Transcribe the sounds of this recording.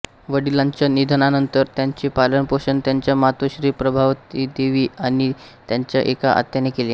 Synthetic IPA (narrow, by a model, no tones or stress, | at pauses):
ʋəɽilaɲt͡ɕanid̪ʱənanənt̪əɾt̪jaɲt͡ɕiːpalənpoɕənt̪jaɲt͡ɕjamat̪əɕɾiːpɾəbʱaʋt̪iːd̪eʋiːaɽ̃i | t̪jaɲt͡ɕjaʔekaʔa̰t̪janekeleː